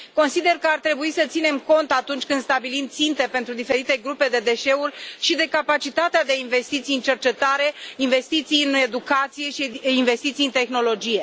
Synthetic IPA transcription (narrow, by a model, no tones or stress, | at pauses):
ko̞nsid̪e̞rkəart̪ɾe̞buisət̪sine̞mko̞nt̪at̪unt͡ʃʲkɨnd̪st̪abilimt̪sint̪e̞pe̞nt̪ɾud̪ife̞ɾit̪e̞ɡɾupe̞d̪e̞d̪e̞ʃe̞urʲʃid̪e̞kapat͡ʃit̪at̪ead̪e̞inve̞st̪it̪siɨnt͡ʃe̞rt͡ʃe̞t̪aɾe̞inve̞st̪it̪sijɨne̞d̪ukat̪sije̞ʃiinve̞st̪it̪sijɨnt̪e̞xno̞lo̞d͡ʒije̞